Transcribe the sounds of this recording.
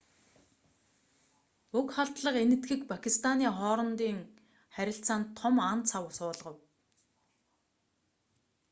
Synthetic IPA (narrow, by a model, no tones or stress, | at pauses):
ɵkχaɬt̪ɮə̆qenɘ̆t̪ɡɘ̆kpʰakʲʰist̪ʰaniːχɔːɾɞ̆nt̪iːŋ | χæɾʲɪ̆ɬt͡saːnt̪ʰːɔmant͡sʰawʊsʊːɮʁɞ̆w